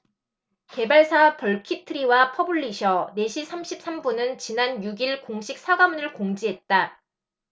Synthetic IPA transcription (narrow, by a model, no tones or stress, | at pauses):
ke̞baɭsʰapʌɭkʰitʰɯɾiwapʰʌbuɭːiɕʰʌne̞ɕʰisʰamɕʰip̚s͈ambunɯnt͡ɕinanjuɡiɭkoŋɕʰik̚s͈ʰaɡamunɯɭkoŋd͡ʑiɦe̞t̚t͈a